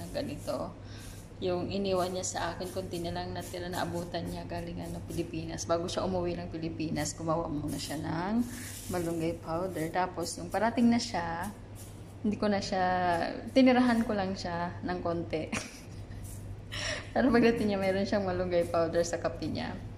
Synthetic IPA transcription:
nɐŋɡɐnɪt̪o̞ | jʊŋʔɪniːwɐnɲasɐʔaːkɪnkʊnt̪ɪnɐlaŋnɐt̪ɪɾanɐ̰ʔɐ̰buːt̪ɐnɲaɡaːlɪŋʔɐnopɪlɪpiːnɐsbaːɡoʃaʔʊmʊwɪnɐŋpɪlɪpiːnɐsɡ̥ʊmawa̰ʔmʊnɐʃanɐŋ | mɐlʊŋɡajpawd̪ɛɹt̪aːpo̞sjʊŋpɐɾat̪ɪŋnɐʃa | hɪnd̪ikonɐʃat̪ɪnɪɾɐɦankolɐŋʃanɐŋkont̪ɛ | paːɾɐpɐɡ̚d̪ɐt̪ɪŋɲamɛːɾo̞nʃɐŋmɐlʊŋɡajpawd̪ɛɹsɐkɐpɪɲa̰

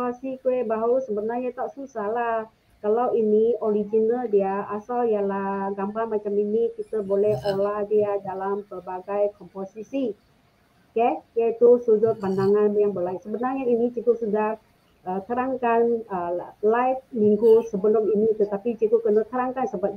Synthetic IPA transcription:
asikuɛbaɦusəbənarɲat̪aʔsusalah | kalawinioɾid͡ʒinaldiaasaljalahɡambaŋmat͡ʃaminikit̪əbolɛholahdiadalampərbaɡajkɔmposisi | kɛhkeit̪usud͡ʒʊt̪̚bandaŋanjaŋbəlaisəbənarɲainit͡ʃikuʔsudah | ət̪əɾaŋkanəlajt̚miŋɡusəbəlɔŋinit̪ət̪apit͡ʃikukənat̪əɾaŋkansəbat̪̚

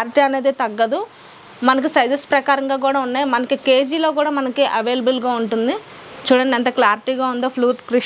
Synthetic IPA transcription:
ɾiʈiːɐne̞ːd̪eːt̪ɐɡːɐd̪u | mɐnɐk̬isɐjd͡ʒ̪ɐspɾɐkaːɾɐŋɡaːk̬uːɽaːunːaːjimɐnɐkike̞ːd͡ʒiːlo̞ːkuːɽaːmɐnɐkiʔɐʋe̞ːlɐbɐlɡaːuɳʈund̪i | t͡ʃuːɽɐɳiɐnt̪ɐklaːɾiʈiːɡaːund̪oːpʰluːʈkɾi

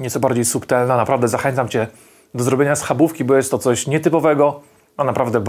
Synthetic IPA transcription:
ɲɛt̪sɔbaɾd͡ʑejsukt̪ɛlnanapɾavd̪ɛzaxɛnt̪samt͡ɕɛ | d̪ɔzɾɔbʲjeɲasxabufkʲibɔjɛst̪ːɔt̪sɔɕɲɛt̪ɘpɔvɛɡɔ | nɔnapɾavd̪ɛb

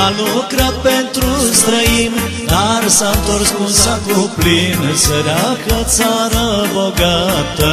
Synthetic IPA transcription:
ɐnukɾɐpent̪ɾust̪ɾɐjim | d̪ʱaɾsɐnt̪oɾskunsɐkuplinsɐɾapɾɐt͡saɾɐbɔɡat̪

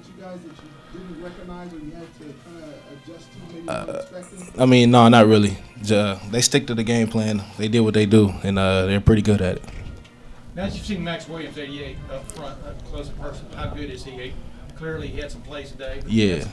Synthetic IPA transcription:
t͡ʃɨɡaɪzðɨt͡ʃɨ | dɪɹɛkɨɡ̚naɪzɪ̃iæd̚tʰɨkʰãɪ̃ndəɨd͡ʒʌstʌ̰ɛaɪmĩnːoʊnət̚ɹɪlˠid͡ʒʌʌðeɪstɪk̚tɨðɨɡẽɪ̃mpʰl̥æ̃nðeɪdɨd̚wʌt̪̚ðeɪdəɨ̃nʌðə˞pʰɹ̥ɪɾiɡʊɾɨɾɨ̰t̚ | naɨzjɨsĩɪ̃ŋmæksweɪɨsejɛɪʌfɹʌ̃əkʰl̥oʊsəpʰɜ˞snhaʊɡʊɾɨz̥iɨ | kʰl̥ɪɹliiɨd̥sʌ̃m̩pʰl̥eɪstʰɨdeɪjæ

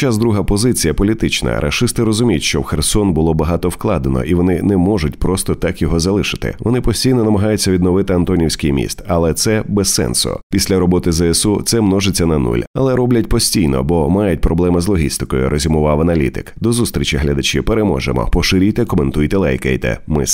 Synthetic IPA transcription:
t͡ʃazd̪ɾuɦɐpɔzɪt͡sʲijɐpɔlʲit̪ɪt͡ʃnɐ̰ɾɐ̰ʂɪst̪ɪɾɔzʊmʲijʊtʲʃt͡ʃɔwxersɔnbʊlˠɔbɐɦɑt̪ɔwklˠɑd̪enɔ̰ʔiʋɔnɪnɛmɔʒʊtʲpɾɔst̪ɔt̪ɑkjɔɦɔzɐlˠɪʃɪ̥t̪ɪ̰ʋɔnɪpɔsʲtʲijnɔnɐmɐɦɑjʊt͡sʲːɐʋʲid̪nɔʋɪt̪ɪɐnt̪ɔnʲiwsʲkʲɪjmʲḭst̪ɐlˠɛt̪sɛbɛsːɛ̰nsʊ̰pʲisʲlʲɐɾɔbɔt̪ɪzɛɛsut̪sɛmnɔʒet͡sʲːɐnɐnṵlʲɐlˠɛɾɔblʲɐtʲpɔsʲtʲijnɔ̰bɔmajʊtʲpɾɔblˠɛmɪzlˠɔɦʲḭst̪ɪkɔjʊ̰ɾʔɔzʲimʊʋɑʋɐnɐlʲḭt̪ɪ̰kd̪ɔzust̪ɾʲit͡ʃʲiɦlʲɐd̪ɐt͡ʃɪpeɾemɔ̰ʒḛmɔ̰pɔʃɪɾʲijt̪ɛkɔment̪ujt̪ɛlˠɛjkɛ̰jt̪ɛ̰mɪ̰s

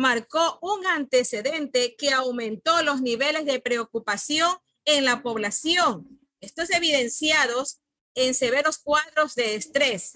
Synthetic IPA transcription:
maɾkoʔuŋant̪ese̞ðe̞nt̪e̞ke̞awmẽ̞nt̪o̞lo̞sniβe̞le̞zðe̞pɾe̞okupasjo̞ŋ | eŋlapo̞βlasjo̞ŋ | est̪ose̞βiðe̞nsjaðos | e̞nse̞β̞e̞ɾo̞skwaðɾo̞zðe̞ːst̪ɾe̞s

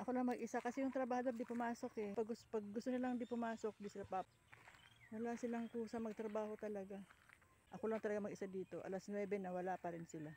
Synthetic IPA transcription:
ʔɐko̞lɐŋmɐɡʔɪsakɐsɛjʊŋt̪ɾɐbaːhod̪oɾd̪ipʊmaːso̞kɛpɐɡʊspɐɡ̚ːʊst̪onɪlaŋd̪ipʊmaːso̞k̚d̪isɪlapap | wɐlasɪlaŋkuːsɐŋmɐɡ̚t̪ɾɐbaːho̞t̪ɐlɐɡa | ʔɐko̞lɐŋt̪ɐlɐɡamɐɡʔɪsad̪iːt̪o̞ʔɐ̰lasnwɛːbɛnɐwɐlapɐɾɪnsɪla

